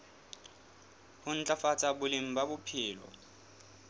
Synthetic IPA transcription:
hʊn̩t͡ɬʼafat͡sʼabʊlɪŋ̩babʊpʰɪːlɔ̰

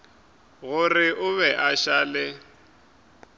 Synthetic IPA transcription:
ɣʊrɪʔʊβɛʔaʃaːlɪ

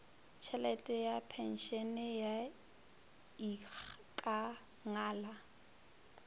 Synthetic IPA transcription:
t͡ʃʰɛlɛtʼɛjapʰɛn̩ʃɛnɪja | ikʼa | ŋaːla

